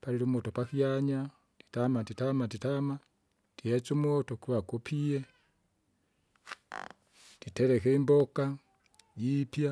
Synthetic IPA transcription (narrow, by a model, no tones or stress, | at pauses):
paliɾumotopakiaɲa | ti̥tamatitamatitama | tihet͡sumotokiβakopʰije | titeɾekeimboka | jipja